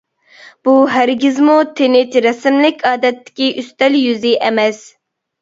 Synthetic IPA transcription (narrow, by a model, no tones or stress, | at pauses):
b̥uɦæɾɡʲizmut̪ʰenɪt͡ʃ̪ɾɛsɪmlɪkʲʰɑːd̪ɛt̪ʰːɪ̥kʲiʔyst̪ɛljyzɪʔɛmɛs